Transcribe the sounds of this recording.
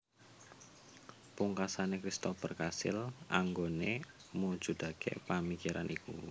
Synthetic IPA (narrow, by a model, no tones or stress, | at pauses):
puŋkasanekɾist̪ɔpərkasɪ̰lʔaŋɡone | mu̥ʒ̥ṳd̪̥a̤ɡ̥ɛ̰pamikiɾa̰nʔiku